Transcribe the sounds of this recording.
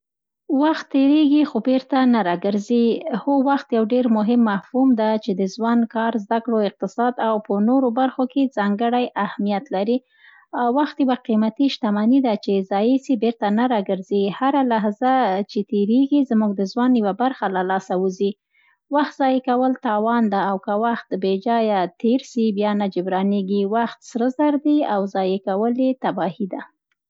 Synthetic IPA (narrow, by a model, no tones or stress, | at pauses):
waxt̪ːeɾeɡixobeɾt̪anaɾɑɡəɾzihowaxt̪jawɖeɾmʊɦɪmːahfumd̪at͡ʃed̪əzwɑnkɑɾzd̪akɽoɪq̚t̪ɪsɑd̪awpənoɾobaɾxokezɑŋɡəɽajʔahmijat̪laɾi | waxt̪jawaqimat̪iʃt̪amɑnid̪at͡ʃezɑjesibeɾt̪anaɾɑɡəɾzeɡihaɾalaɦzat͡ʃet̪eɾeɡizmuɡ̚d̪əzwɑnjiwabaɾxalalɑsawuzi | waxt̪zɑjekawəlt̪ɑwɑnd̪aːwkawaxt̪bed͡ʒɑjat̪eɾsibjɑnad͡ʒɪbɾɑneɡiwaxt̪sɾəzaɾd̪iawzɑjekawəljet̪abɑhid̪a